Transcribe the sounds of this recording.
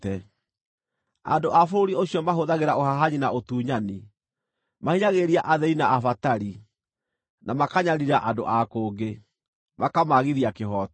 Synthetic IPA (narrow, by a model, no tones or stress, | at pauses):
ɛ | a̰ndoʔafoɾoɾioɕjɔmaɦoðaɣeɾaohaɦaɲinaotuːɲani | mahiɲaɣeɾiaʔaðɛinaʔafataɾi | namakaɲaɾiɾaʔando̰ʔakoːɡe | makamaɣiðiakehɔt